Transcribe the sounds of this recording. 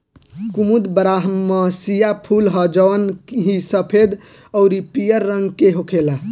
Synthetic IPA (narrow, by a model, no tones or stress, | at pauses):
kumud̪bəɾaɦəmːəsijapʰulɦəd͡ʒəʋənɦisəpʰed̪ | ɔʊɾipijəɾːəŋɡkeɦokʰela